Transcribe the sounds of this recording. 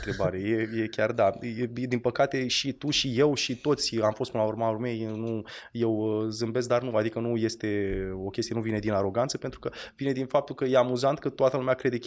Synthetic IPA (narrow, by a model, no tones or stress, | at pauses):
t̪ɾebaɾe̞jeje̞kʲard̪ad̪inpəkat̪e̞ʃit̪uʃije̞wʃit̪o̞t̪sʲamfost̪pɨnəlaurmaurme̞jnuje̞wəzɨmbe̞s̬k̚d̪arnuad̪ikənuje̞st̪e̞o̞kʲest̪ienuvine̞d̪inaɾo̞ɡant̪səpent̪ɾukəvine̞d̪infap̚t̪ulkəje̞amuzant̪̚kət̪oat̪əlumeakɾe̞d̪e̞kʲ